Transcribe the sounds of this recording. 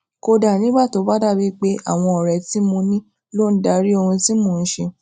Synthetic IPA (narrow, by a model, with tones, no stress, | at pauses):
ko˧da˨nĩ˦ba˦˨to˨˦ba˦da˦˨bi˦k͡pe˦ʔa̰˦˨w̃ɔ̃˧ɔ˨ɾɛ˨˦ti˨˦mo˧nĩ˦ | lo˦˨n̩˦da˧˦ɾi˦o˧hũ˧ti˦mo˨˧˨n̩˦ʃe˧